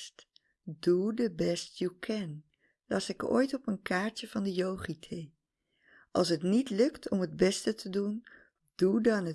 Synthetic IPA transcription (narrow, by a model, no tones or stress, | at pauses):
st | dudəbɛstjukʰɛn | lɑsɪko̰ːjtɔpənkʰaːɹtəv̥ɑndəjowχitʰe | ʔɑ̰lˠs̬ɦətnitlɵktʰɔmɦəd̚bɛstətʰədun | d̥udɑnə